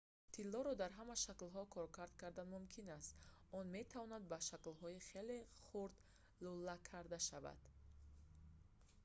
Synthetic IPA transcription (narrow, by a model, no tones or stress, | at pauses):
t̪ʰilːɔɾɔd̪aɾɦamaʃaklɦɔkʰɔɾkʰaɾd̪kʰaɾd̪anmumkʰinast̪ɔnme̞t̪ʰavɔnad̪̚baʃaklɦɔiχeleχuɾd̪ | lulakʰaɾd̪aʃava̰d̪̥